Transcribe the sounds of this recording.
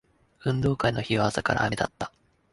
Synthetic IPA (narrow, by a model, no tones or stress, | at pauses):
ɯ̟̃nd̪o̞ːkaino̞çiβaasakaɾa̰ːme̞d̪a̰t̪ːḁ